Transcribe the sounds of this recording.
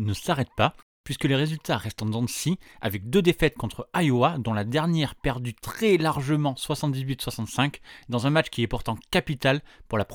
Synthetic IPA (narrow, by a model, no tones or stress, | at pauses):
nəsaʁɛt̪̚pa | pɥiskəleʁezylt̪aʁɛst̪ɑ̃d̪ɑ̃sia̰vɛk̚d̪ød̪efɛt̪̚kɔ̃t̪χəajoad̪ɔ̃lad̪ɛʁnjɛʁpɛʁd̪yt̪χɛlaʁʒəmɑ̃swasɑ̃t̪̚d̪izɥit̪swasɑ̃t̪sɛ̃kd̪ɑ̃zɛ̃mat͡ʃkʲiɛpuʁt̪ɑ̃kapit̪alpuʁlapχ